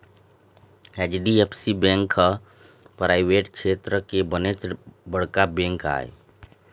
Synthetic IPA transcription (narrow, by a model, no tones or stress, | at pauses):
ɛːt͡ʃɖiepsibɛ̃ːŋkə | pɾaːɪʋeːʈkʃeːt̪ɾəkebənet͡ʃbəɽ̤kabɛ̃ːŋka̰ːḛ